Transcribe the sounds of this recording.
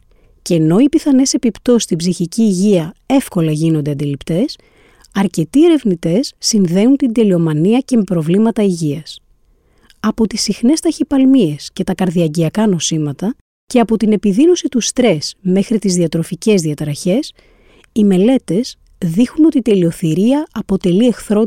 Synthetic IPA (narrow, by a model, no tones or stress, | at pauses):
ceno̞ipiθɐne̞se̞pipt̪o̞st̪ibziçiciːʝiɐe̞fko̞lɐʝino̞nd̪eɐnd̪ilipt̪e̞s | ɐɾce̞t̪ie̞ɾe̞vnit̪e̞sːinðe̞unt̪ind̪e̞lio̞mɐniɐce̞me̞pɾo̞vlimɐt̪ɐiʝiɐs | ɐpo̞t̪isixne̞st̪ɐçipɐlmie̞sce̞t̪ɐkɐɾðiɐɟiɐkɐno̞simɐt̪ɐ | ce̞ɐpo̞t̪ine̞piðino̞sit̪ust̪ɾe̞sme̞xɾit̪izðiɐt̪ɾo̞fice̞zðiɐt̪ɾɐçe̞s | ime̞le̞t̪e̞s | ðixuno̞t̪iːt̪e̞lio̞θiɾiɐɐpo̞t̪e̞lie̞xθɾo̞